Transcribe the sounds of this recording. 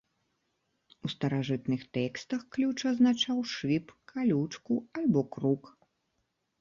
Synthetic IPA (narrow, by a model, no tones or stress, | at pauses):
ust̪ɐɾaʐɨt̪nɨxt̪ɛkst̪ɐxklʲut͡ʂɐznat͡ʂawʂɨpkʰalʲut͡ʂkualʲbɔkɾuk